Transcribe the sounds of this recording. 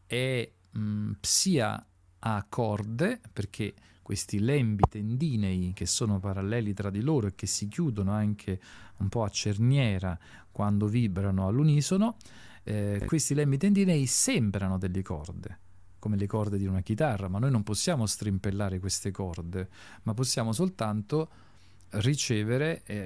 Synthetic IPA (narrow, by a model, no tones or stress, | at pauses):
ɛ | psiːa̰ | akʰːɔrd̪eperkʰe | kːwḛst̪ilɛmbit̪end̪iːnɛjk̟esːoːnopaɾalːɛːlit̪ɾad̪ːiloːɾoek̟ːesːikjuːd̪onoaŋkʰeumpɔat͡ʃːernjɛːɾa | kwand̪ovibɾanoalːuniːsono | kwest̪ilɛmbit̪end̪iːnɛisɛmbɾanod̪elːekɔ̰rd̪ḛ | komelekɔrd̪ed̪iunak̟it̪arːamanːoːjnomposːjaːmost̪ɾimpelːaːɾekwest̪ekɔrd̪e | mapːosːjaːmosolt̪ant̪o | rit͡ʃɛːveɾe